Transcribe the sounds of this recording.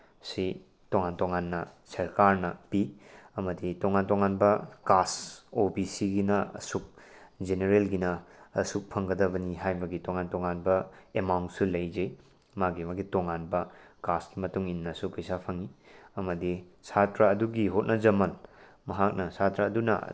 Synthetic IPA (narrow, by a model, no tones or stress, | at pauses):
si | toŋantoŋanːɐsɐɾkaɾnɐpiɐmɐditoŋantoŋanbɐkasobisiɡinɐɐ̰suk̚ | d͡ʒeneɾelɡinɐɐ̰suk̚pʰɐŋɡɐdɐβɐniɦajbɐɡitoŋantoŋanbɐemawnt̚sulɐjd͡ʒe | maɡimaɡitoŋanbɐkaskimɐtuŋinːɐsuk̚pʰijsapʰɐŋiɐmɐdi | satɾaːduɡiɦot̚nɐd͡ʒɐmɐl | mɐɦak̚nɐsatɾaːdunɐ̰